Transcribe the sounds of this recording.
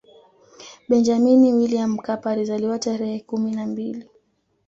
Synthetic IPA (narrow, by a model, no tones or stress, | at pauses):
ɓɛnd͡ʒaminiwiliam̩kapaɾizaliwataɾɛhɛkuminambili